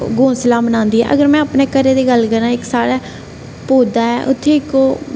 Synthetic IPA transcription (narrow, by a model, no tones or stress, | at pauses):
ɡõːsɪlaːbənãːnd̪iːɛ̰ːʔə̰ɡəɾmɛ̃ːəpneːkəɾeːd̪eːɡəlkəɾãːɪksaːɽaː | poːd̪aːɛːʔʊ̰t̪ʰːeːɪkoː